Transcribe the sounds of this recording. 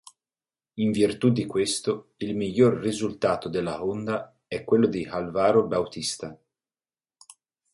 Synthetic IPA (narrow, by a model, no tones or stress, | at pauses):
iɱvirt̪ud̪ikwest̪oilmiʎːorːizult̪aːt̪od̪elːaond̪a | ɛkːwelːod̪ihalvaːɾobawt̪ist̪a